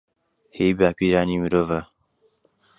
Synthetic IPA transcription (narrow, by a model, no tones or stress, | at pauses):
hebapiɾaːnimiɾova